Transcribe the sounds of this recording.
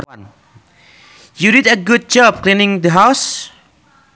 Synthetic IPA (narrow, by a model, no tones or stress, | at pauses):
ãn | juɾidəɡud̚d͡ʒɔb̚klĩnɪ̃ŋdəɦas